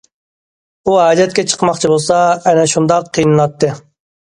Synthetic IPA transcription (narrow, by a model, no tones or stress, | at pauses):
uɦɑːd͡ʒɛt̪̚kʲɛt͡ʃʰə̥qmɑqt͡ʃʰibolˠsɑɛnɛʃund̪ɑqʰːijnɨlˠɑt̪ːɨ